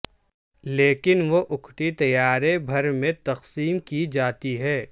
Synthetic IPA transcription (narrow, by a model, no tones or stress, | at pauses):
leːkɪnʋoʔʊkʰʈ̪it̪ɐjaːɾebʱɐɾmẽt̪ɐqsiːmkid͡ʒaːt̪iɦɛː